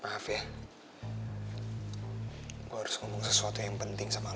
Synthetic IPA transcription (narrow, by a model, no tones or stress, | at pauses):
afja | oaɾʊsŋomʊŋsəsuat̪ɔjaŋpənt̪ɪŋsama